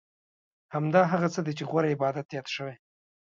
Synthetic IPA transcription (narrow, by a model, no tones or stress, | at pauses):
hamd̪ɑɦaɣat͡səd̪et͡ʃeɣwaɾaɪbɑd̪at̪jɑt̪ʃəwej